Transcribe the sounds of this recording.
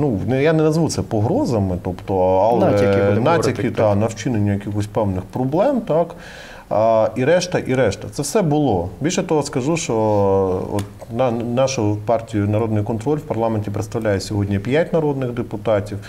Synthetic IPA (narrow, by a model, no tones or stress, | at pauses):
nunjanɛnɐzʋut̪sɛpɔɦɾɔzɐmɪt̪ɔpt̪ɔɐlˠɛnɑtʲiɪt̪ɑnɐwt͡ʃɪnenʲːʊjɐkʲixɔsʲpɛwnɪxpɾɔblˠɛmt̪ɑk | iɾɛʃt̪ɐʔiɾɛʃt̪ɐt̪sɛwsɛbʊlˠɔbʲilʲʃɛt̪ɔɦɔskɐʒuʃt͡ʃɔ | ɔ̰t̪nɑnɑʃʊpɑrtʲijʊnɐɾɔd̪nʊjkɔnt̪ɾɔlʲwpɐrlˠɑmenʲtʲipɾḛt̪st̪ɐʋlʲajɛsʲɔɦɔdʲnʲɐpʲjatʲnɐɾɔd̪nɪɣd̪epʊt̪ɑtʲiw